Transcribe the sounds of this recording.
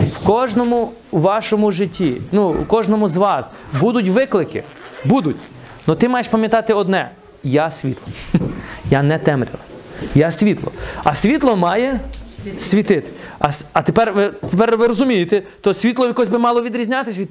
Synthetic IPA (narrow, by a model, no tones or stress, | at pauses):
wkɔʒnɔmʊ | ʋɑʃɔmʊʒɪtʲʰːinuwkɔʒnɔmʊzʋɑs | bud̪ʊtʲʋɪklˠɪkɪ̰ | bud̪ʊtʲ | nɔt̪ɪmɑjeʃpɐmʲjɐt̪ɑt̪ɪɔd̪nɛ | jasʲʋʲḭt̪lˠɔ | janɛt̪ɛmɾʲɪ̰lˠɐjasʲʋʲit̪lˠɔ̰ɐsʲʋʲit̪lˠɔmɑjɛ | sʲʋʲit̪ɪt̪ɪ̥ɐsʲɐt̪epɛrʋɪt̪epɛrʋɪɾɔzʊmʲijɪt̪ɛt̪ɔsʲʋʲit̪lˠɔjɐkɔsʲbɪmɑlˠɔʋʲid̪ɾʲizʲnʲat̪ɪsʲʋi